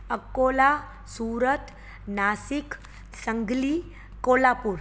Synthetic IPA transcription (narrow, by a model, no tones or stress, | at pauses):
əkːola | suːɾət̪ | nasik | səŋɡli | kolapuːɾ